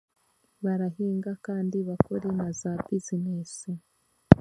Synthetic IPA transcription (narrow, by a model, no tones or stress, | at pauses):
βaɾaɦiːŋɡakaːndiβakoɾenazabizinesi